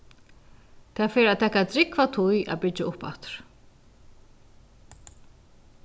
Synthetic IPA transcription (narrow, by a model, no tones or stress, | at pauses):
t̪ʰɛːfeːɾat̪ʰɛːkat̪ɾɪkvat̪ʰʊjʔa̰bɪt͡ʃaʔʊpa̰t̪ɾ̥